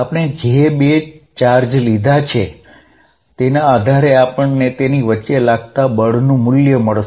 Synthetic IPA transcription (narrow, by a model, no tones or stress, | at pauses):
apɳ̃ed͡ʒebet͡ʃaɾd͡ʒlid̪ʱat͡ʃʰe | t̪enaːd̪ʱaɾeapəɳnet̪eniʋətːʃelaɡ̚t̪abəɭ̤nũmʊljəməɭ